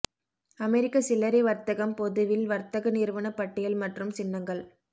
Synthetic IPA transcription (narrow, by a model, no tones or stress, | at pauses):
ɐmɛɾɪkːɐsɪlːɐɾɐɪʋɐɾt̪ɐɣɐmpɔðɯʋɪlʋɐɾt̪ɐɣɐniɾʋɐnɐpːɐʈːɪjɐlmɐʈrɯmsɪnːɐŋɡɐɭ